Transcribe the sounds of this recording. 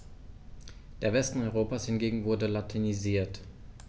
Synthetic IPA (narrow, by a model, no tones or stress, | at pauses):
d̥eːɐvɛstn̩ɔʏʁ̞oːpashɪnɡeːɡŋ̩vʊɐdəlatʰeniziːɐt